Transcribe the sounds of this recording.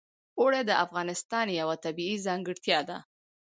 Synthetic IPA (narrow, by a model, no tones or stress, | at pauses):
oɽed̪əʔafɣɑnɪst̪ɑnjawat̪abiizɑŋɡɪɽt̪jɑd̪a̰